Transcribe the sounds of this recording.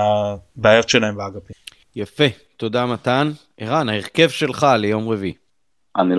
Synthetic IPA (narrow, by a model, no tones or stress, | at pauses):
abeajo̞tʃelaembeaɡapi | jafe̞ | t̪o̞damat̪an | eʁanaeʁke̞vʃe̞lχalejo̞mʁevi | ʔanil